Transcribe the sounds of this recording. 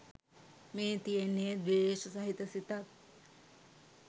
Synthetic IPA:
meːt̪ijenːeːd̪ʋeːʃɐsaɦit̪ɐsit̪ak̪̚

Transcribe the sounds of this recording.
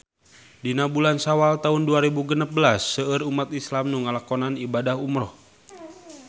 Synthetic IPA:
dinabulansawalt̪aɦunduaɾibuɡənap̚bəlasːəəɾumat̪islamnuŋalakɔnanibadaɦumɾɔh

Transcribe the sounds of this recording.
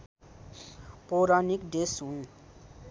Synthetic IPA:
poɾanikɖesɦũ

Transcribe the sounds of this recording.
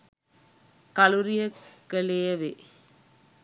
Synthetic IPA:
kɐluɾijəkːəlejɐʋe

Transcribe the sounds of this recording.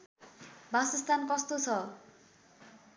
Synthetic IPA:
bʱasʌst̪ankʌst̪ot͡sʰʌ

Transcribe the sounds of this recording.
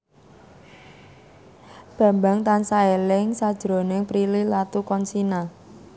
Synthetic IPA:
b̥a̤mba̤ŋt̪ansaelɪŋsad̥ʒ̥əɾo̤nɪŋpɾililat̪ukɔnsina

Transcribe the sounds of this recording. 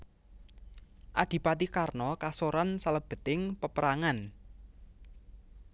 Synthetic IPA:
ʔad̪̥i̤pat̪ikarnɔkasoɾansaləb̥ə̤t̪ɪŋpəpəɾaŋan

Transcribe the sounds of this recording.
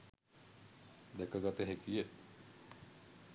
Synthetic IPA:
d̪ɛkəɡat̪eɦekije

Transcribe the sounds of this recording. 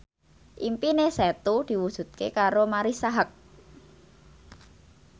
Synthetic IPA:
ʔimpinesɛt̪ud̪̥i̤wud̥ʒ̥ṳt̪̚kekaɾomaɾisaɦak̚

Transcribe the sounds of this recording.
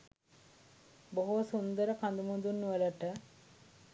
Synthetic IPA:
boɦusund̪əɾəpʰand̪umund̪unːuʋələʈə

